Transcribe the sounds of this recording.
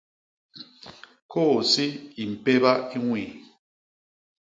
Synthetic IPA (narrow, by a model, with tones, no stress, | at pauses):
kʰo˦˨si˦i˨m̩˨pe˦ba˦i˦ŋwi˨